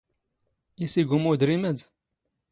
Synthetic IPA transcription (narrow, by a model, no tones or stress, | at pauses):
isiɡumud̪ɾiməd̪